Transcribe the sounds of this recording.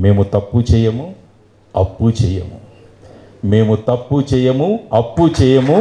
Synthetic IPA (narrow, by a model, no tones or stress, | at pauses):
me̞ːmut̪ɐpːut͡ʃɛːjɐmu | ɐpːut͡ʃɛːjɐmu | me̞ːmut̪ɐpːut͡ʃɛːjɐmuɐpːut͡ʃɛːjɐmu